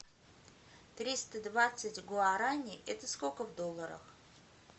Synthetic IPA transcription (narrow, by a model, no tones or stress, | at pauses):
t̪ɾʲist̪əd̪vat̪sɨtʲɡoaɾanʲɪʔɛt̪əskokəvd̪olˠːəɾə̰x